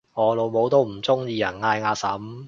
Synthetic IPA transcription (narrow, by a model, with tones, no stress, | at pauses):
ŋɔː˨˧lo˨˧wmo˨˧wt̪o˥wm̩˨˩t͡sʊ˥ŋjiː˧jɐ˨˩nŋaː˧jŋaː˧sɐ˨˥m